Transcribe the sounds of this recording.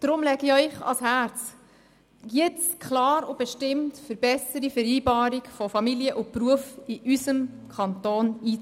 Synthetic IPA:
d̥ɾʊmlɛɡiœʏχɑ̰shæɾt͡s | jɪt͡skʰlɑːɾʊb̥ɛʃtɪmtfəɾb̥ɛsəɾifəɾiːbɑːɾikfɔfɑmiliəʔʊpruəfiʔysəmkʰɑnt̪oːniː

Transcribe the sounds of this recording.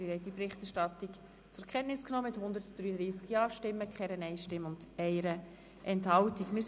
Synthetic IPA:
ɪɾhɛɪdipɾɪχtæɾʃtɑtik | t͡sʊɾkʰɛnnɪsknɔːmɪthʊnd̪əɾtd̥ɾyːəd̪ɾiːskjɑːʃtɪmːəkχɛɾənɛɪʃtɪməʊnd̥ɛɪɾə | ʔɛnthɑltikmɪ

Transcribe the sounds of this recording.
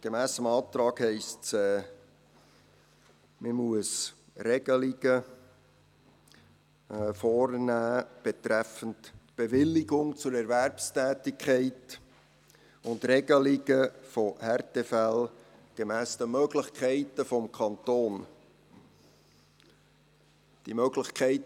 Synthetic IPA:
ɡ̥emæːsəmɑːt̪ɾɑːkhɛɪstsɛː | məmuəs | rɛɡ̥əliɡ̥ə | fɔːrnæːb̥etɾɛfəntb̥evɪlːiɡʊŋt͡sʊɾɛɾværpstɛːtɪkʰχɛɪt | ʊndɾɛɡ̥əliɡəfɔhɛɾtefɛl | ɡ̥emæːsd̥̪əmœɡlɪχkʰæɪtəfɔmkʰɑnt̪oːn | d̥imœɡlɪχkʰæɪt

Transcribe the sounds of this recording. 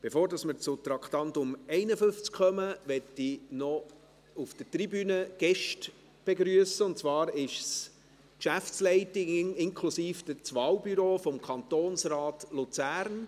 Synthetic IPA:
b̥efoːɾdɑsməɾt͡sʊt̪ɾɑkχtɑntʊmɛɪnəfʏft͡skχœməʋɛtːinɔ | ufd̥ətɾibyːnəɡ̥ɛʃt | b̥eɡɾyəsəʊntt͡svɑːɾɪʃs | kʃæft͡slɛɪtɪŋɪŋkʰlusiːfd̥ət͡sʋɑːlbyɾoːfɔmkʰɑnt̪oːnsɾɑːtlut͡sæːɾn

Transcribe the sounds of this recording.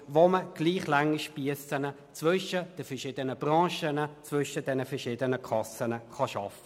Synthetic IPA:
voməɡ̥liːχlaŋəʃpiəsənə | t͡svʏʃəd̥əfɛɐʃɪːdənəb̥ʁɑ̃ːʃənət͡svʏʃəd̥ɛnəfɛʁʃɪːdənəkʰɑsənəχɑʃɑfə̥

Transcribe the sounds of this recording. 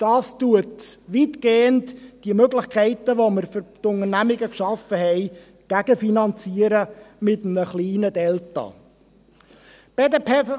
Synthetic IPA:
d̥ɑːstuətʋitɡ̥eːəntd̥iəmøɡlɪχkʰɛɪtəʋoməɾfʏɾtʊŋərnæmɪɡəkʃɑfəhɛɪ | ɡ̥æɡ̥əfinɑnt͡siːəɾəmɪtəmnəχliːnədɛltɑ̰ | b̥ɛdəpɛ

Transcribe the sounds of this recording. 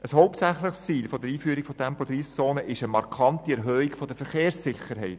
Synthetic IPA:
əshɔʊp̚t̪sæχləχst͡siːlfod̥̪əɾiːfyːɾikfotʰɛmpod̪ɾiːst͡soːnəʔɪʃəmɑɾkʰɑntiɛɾɦœːiɡfod̥əɾfəɾχeːɾsːɪχəɾɦɛɪt

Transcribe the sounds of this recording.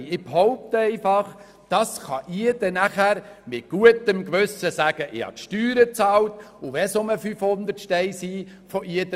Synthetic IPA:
ɪb̥hɔʊp̚t̪ɛɪfɑχ | d̥ɑsχɑʔiəd̥ɛnæχæːɾmɪt̚ɡ̥uətəmkʋʉsəsæːɡ̥əʔɪhɑ̰t̪ʃtyːɾət͡sɑːltʊʋɛsoməfyfhʊnd̪ətʃtɛɪsiːfɔʔiədə

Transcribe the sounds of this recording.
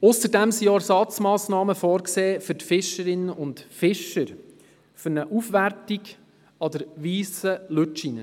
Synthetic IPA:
ʊsəɾdɛmsiɛɾsɑt͡smɑːsnɑːməfɔːɾkseːfʏɾtfɪʃəɾɪnːəʔʊntfɪʃəɾ | fʏɾnəʔufʋærtiɡ | ɑdəɾʋiːsəløt͡ʃinə

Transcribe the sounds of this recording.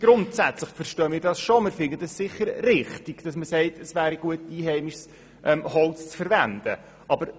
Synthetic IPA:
ɡ̥ɾʊntsæt͡slɪχfəɾʃtœːmɪːɾdɑsʃomɪːɾfɪndəd̥ɑssɪχːəɾrɪχtiɡ̥d̥ɑsməsɛɪtʰəsvæːɾiɡ̥uətiːɦɛɪmiʃs | ʔɛmhɔlt͡st͡sfəɾvænd̥ə̰ | ʔɑbəɾ

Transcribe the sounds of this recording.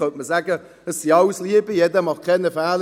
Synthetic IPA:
œnt̚məzaːɡə | əssiawsliəbijɛdəmɑχkʰɛnəfaːl

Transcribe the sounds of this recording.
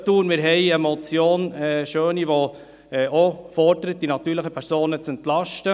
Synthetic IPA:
tuːnmɪɾɦɛɪəmɔt͡sjoːnɛːʃøːniʋo | ɛːʔofɔɾdəɾət̚d̥inɑt̪ːyːɾləχəpʰɛɾsoːnət͡sɛntlɑʃtə

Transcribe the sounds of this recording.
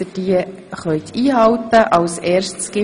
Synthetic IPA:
əd̥iə | χœɥt̪ʰiːɦɑwt̪əʔɑwsɛːɾstsɡ̥ɪ

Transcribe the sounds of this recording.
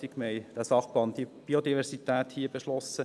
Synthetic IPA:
tɪkmɛɪd̥̪æːsɑχb̥ɑndib̥iod̪ivɛɾsit̪æːt̪hiːəb̥eʃlɔsːə

